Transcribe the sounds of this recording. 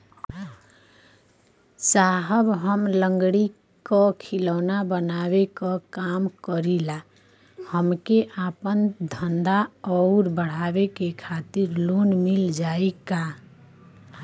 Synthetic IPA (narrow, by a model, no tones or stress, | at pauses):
saɦəbɦəmləŋɡɽi | kɔkʰiləʊnabənaβekɔkamkəɾila | həmkeʔapənd̪ʱənd̪aɔʊɾbəɽ̤abekekʰat̪iɾlonmild͡ʒaeka